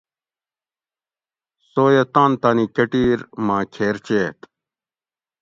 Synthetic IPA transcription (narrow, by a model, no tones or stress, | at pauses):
soːjet̪ãːnt̪aːnikɐʈiːɾmãːkʰeːɾt͡ɕeːt̪